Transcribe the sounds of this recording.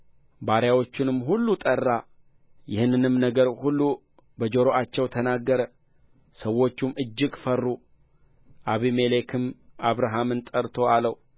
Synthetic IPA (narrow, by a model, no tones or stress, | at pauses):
baɾjawo̞t͡ʃːɪnɨmːɦulːut̪ʼərːa | jɪhɨnːɨnɨmnəɡəɾhulːu | bəd͡ʒoɾo̞ʔat͡ʃːɛwt̪ʰənaɡːəɾə | səwːo̞t͡ʃːumɨd͡ʒːɪɡfərːu | ʔaβime̞le̞kʰɨmaβɾaɦamɨnt̪ʼəɾt̪ʰo̞aləw